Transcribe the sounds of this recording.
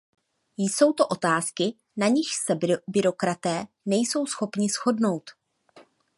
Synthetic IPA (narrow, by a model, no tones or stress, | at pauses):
jso̞wt̪o̞ʔo̞t̪aːskɪ | naɲɪʃsɛbɪɾo̞kɾat̪ɛː | nɛjso̞wsxo̞pɲɪsxo̞dno̞wt̪